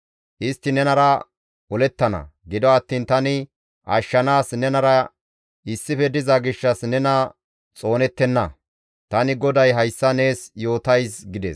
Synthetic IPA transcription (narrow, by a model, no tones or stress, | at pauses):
ʔɪst̪ːɪnɛnɐɾɐ | ɔlɛt̪ːɐnɐ̰ɡɪd̪ɔɐt̪ːiːnt̪ɐnɪ | ʔɐʃːɐnaːsnɛnɐɾɐ | ɪsːɪfɛd̪ɪzɐɡɪʃːɐsnɛnɐ | t͡sʼo̞ːnɛt̪ːɛnːɐ | t̪ɐnɪɡɔd̪ɐjɦɐjsːɐne̞ːsjo̞ːt̪ɐjsɡɪd̪ɛ̰ːs